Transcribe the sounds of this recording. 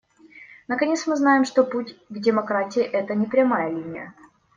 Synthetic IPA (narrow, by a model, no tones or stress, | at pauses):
nəkɐnʲe̞t̪smɨznajɪmʂt̪oputʲvdʲɪmɐkɾatʲɪːʔɛt̪ənʲɪpɾʲɐmajəlʲinʲɪjə̰